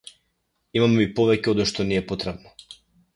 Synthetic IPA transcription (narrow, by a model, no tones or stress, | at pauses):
imamɛmipɔvɛcɛɔd̪ɔʃt̪ɔniɛpɔt̪ɾɛbnɔ